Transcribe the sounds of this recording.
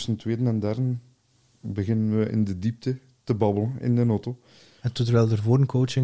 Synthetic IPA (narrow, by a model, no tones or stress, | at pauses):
səntweːdənɛndaːɾɪn | bəɣɪnənʋəʔɪ̰ndədip̚tə | təbɑbələnɪ̰ndənoto | ɛnt̪ɔtəɾʋɛːlˠdərvoːɾənkowt͡ʃɪ